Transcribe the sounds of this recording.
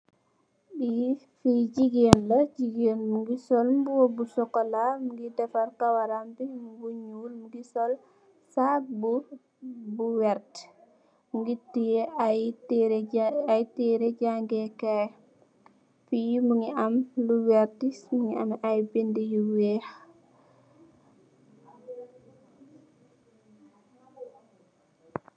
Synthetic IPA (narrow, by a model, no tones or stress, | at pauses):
ɗi | fiɟiɡeːnlɐɟiɡeːnmuŋɡisɔlmbuwobusɔkːɔlamuɡidɛfaɾkawaɾambimuɡuɲuːlmuɡisɔl | sak̚bu | buwɛɾt | muɡiti | ajtiɾeɟaŋɡɛka | fijumuŋiamluwɛɾtismuŋia̰majbendijuwɛːx